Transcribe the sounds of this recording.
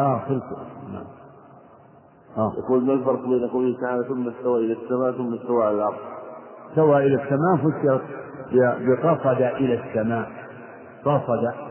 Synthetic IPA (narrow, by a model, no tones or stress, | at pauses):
ʔaːxɪlkʊna̰ʕam | ʔaja̰kuːlmalfɑɾˤqbiːnʔaqulikaːnaθʊmːast̪awaːʔɪlasːamaːʔθʊmːast̪awaːalɪlʔɑɾðˤt̪awaːʔɪlasːamaːfasːɑɾˤɑt̪bɪbɪqɑsˤɑd̪aʔɪlasːamaːʔ | qɑsˤɑd̪a